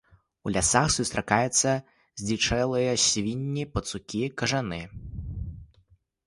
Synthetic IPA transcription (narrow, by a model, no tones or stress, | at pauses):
ulʲasaxsust̪ɾakajɛt̪sːɐ | zʲdʲit͡ʂɛlˠɨjɐsʲvʲinʲːipɐt̪sukʲikɐʐanɨ